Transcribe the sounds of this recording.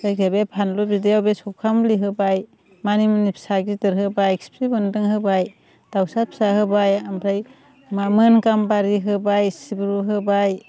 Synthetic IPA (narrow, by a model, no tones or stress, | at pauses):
zajɡabepʰanlɔbidejawbesɔwkʰamliɦɯbaj | manimnipʰsaɡitɯɾɦɯbajkspʰɾibɯndɯŋhɯbaj | d̥awsapʰsaɦɯbajampʰɾaj | mamɯnkambaɾiɦɯbajsibɾuɦɯbaj